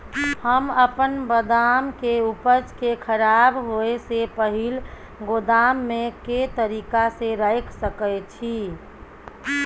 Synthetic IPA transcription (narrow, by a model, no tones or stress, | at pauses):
həməpənbəd̪amkeupət͡ʃkekʰəɾabɦoesepəɦil | ɡod̪amːeket̪əɾikaseɾəjkʰsəkət͡ʃʰi